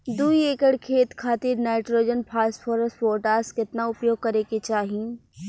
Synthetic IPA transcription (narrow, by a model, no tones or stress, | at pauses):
d̪uieːkəɽkʰeːt̪kʰaːt̪ɪɾnaːɪʈɾoːd͡ʒənpʰaːsfʰoːɾəsʈfoːɾʈaːskɪt̪naʊpjoːɡ̚kɐɾeket͡ʃaːɦi